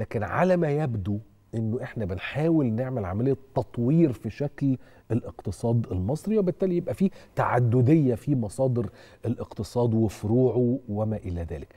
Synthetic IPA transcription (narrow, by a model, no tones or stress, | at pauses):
læːkenʕa̰læmæjæbd̪u | ʔenːoʔeħnæbenħaːwelneʕmelʕa̰mælejːæt̪ːɑt̪ˤwiːɾfiʃækl | elʔeqt̪ɨsˤɑːd̪elmɑsˤɾiwebet̪ːæːlijebʔæfiːt̪aʕa̰d̪ːod̪ejːæfimɑsˤɑːd̪ɨɾ | ʔelʔeqt̪ɨsˤɑːd̪wefoɾuːʕuwemæːʔɪlæðæ̰ːlek